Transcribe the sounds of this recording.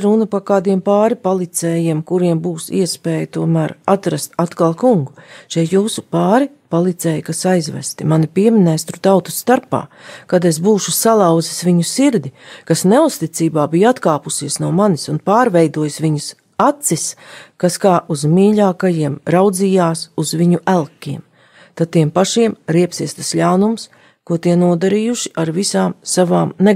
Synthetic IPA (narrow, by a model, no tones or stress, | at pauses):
ɾunɐpakaːd̪iɛmpaːɾipolˠit̪sɛːjiɛmkuɾiɛmbuːsḭɛspɛːjt̪uɔmæːɾat̪ɾast̪at̪kalˠkuŋɡuʃɛjt̪juːsupaːɾi | polˠit̪sɛːjkasajzvæ̰st̪imanipiɛminæːst̪ɾut̪awt̪u̥st̪aɾpa̰ːkad̪esbuːʃusalˠɑw̪zisʋiɲusiɾd̪ikasneust̪it̪siːbaːbijat̪kaːpusiɛsnuɔmanisunpaːɾvɛjd̪uɔjsʋiɲus | at̪siskaskaːʔuzmiːʎaːkajiɛmɾawd̪ziːjaːsuzviɲuʔælˠkʲːiɛm | t̪ad̪̚t̪ːiɛmpaʃiɛmɾiɛpsiɛst̪asʎawnums | kuɔt̪iɛnuɔd̪aɾijuʃi̥ʔaɾvisaːmsavaːmne